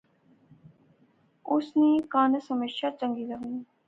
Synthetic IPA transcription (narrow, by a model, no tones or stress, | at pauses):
ʊsniːkaːnəsəməʃaːt͡ʃə̃ŋɡiːləʋi